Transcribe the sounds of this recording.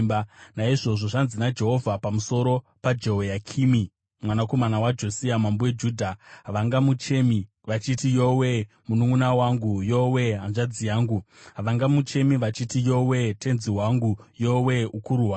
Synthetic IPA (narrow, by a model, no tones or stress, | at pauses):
banaiʐo̞ʐo̞ʐanzinad͡ʒe̞ɦo̞vʱapamuso̞ɾo̞ | pad͡ʒe̞ɦojakʰimi | mwanako̞manawad͡ʒo̞siamambowed͡ʒuːdʱaɦaʋaŋɡamut͡ʃemi | ʋat͡ʃitijowe | munuŋunawaŋɡujowe̞ɦanʐad͡zijaːŋɡuɦaʋaŋɡamut͡ʃe̞miʋat͡ʃitijo̞we̞tʰe̞nziwaŋɡujo̞we̞ukuɾuɦwaː